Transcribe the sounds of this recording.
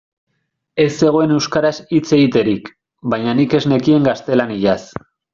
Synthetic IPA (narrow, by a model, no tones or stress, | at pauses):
e̞sːe̞ɣ̞o̞e̞ne̞wskaɾasit͡se̞ɣit̪e̞ɾik | bajɲanike̞zne̞kie̞ŋɡast̪e̞laniʎas